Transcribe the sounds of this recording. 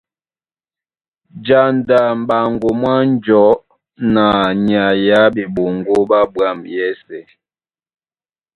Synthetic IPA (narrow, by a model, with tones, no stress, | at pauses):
d͡ʒa˨nda˨m̩˨ba˨ŋɡo˨mwa˦n˦d͡ʒɔ˨˦ | na˨ɲa˨ja˦bi˨ɓo˨ŋɡo˦ba˦bwa˦˨mjɛ˦sɛ˨